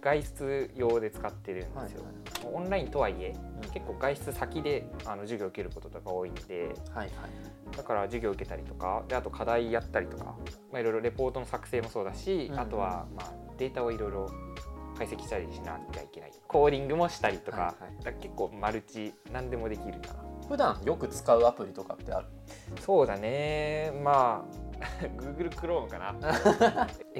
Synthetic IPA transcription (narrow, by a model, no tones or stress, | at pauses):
ɡ̥aiɕɨ̥t͡sɨjo̞ːd̪e̞t͡sɨ̥kat̪ːe̞ɾɯ̟̃nd̪esɨjo̞ | moõnɾaĩnt̪o̞βaie̞ke̞kːo̞ːɡaiɕi̥t͡sɨsakʲid̪e̞ano̞ʑɨɡʲo̞ɯ̟ke̞ɾɯ̟ko̞t̪o̞t̪o̞ɡao̞ːinod̪e̞̰ | d̪̥akaɾad͡ʑɨɡʲo̞ːɯ̟ke̞t̪aɾʲit̪o̞kad̪eat̪o̞kʰad̪aijat̪ːaɾʲit̪o̞ka̰maiɾo̞jɾo̞ɾe̞po̞ːt̪o̞no̞sakɯ̟̥se̞ːmo̞so̞ːd̪aɕiat̪o̞β̞a̰maːd̪̥e̞ːt̪aoiɾo̞iɾo̞kaise̞kʲi̥ɕt̪aɾʲiɕina̰t͡ɕa̰ikʲe̞na̰ḭkʰo̞ːɾʲĩŋɡɯ̟mo̞ɕi̥t̪aɾʲit̪o̞ka̰d̪̥akake̞kːo̞ːmaɾɯ̟t͡ɕinãnd̪e̞mo̞d̪e̞kʲiɾɯ̟kanaɸɯ̟d̪ãɰ̃jo̞kɯ̟t͡sɨ̥kaɯ̟apɯ̟ɾʲit̪o̞ka̰t̪ːe̞a̰ɾɯ̟ | so̞ːd̪ane̞maː | ɡɯ̟ːɡɯ̟ɾɯ̟kɯ̟ɾõ̞ːŋkana